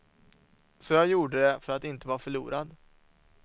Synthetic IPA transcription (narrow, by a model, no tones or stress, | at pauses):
sɔjajuːɖəd̪ɛfœɾat̪ɪnt̪əvaːɾfœɭṵːɾad̪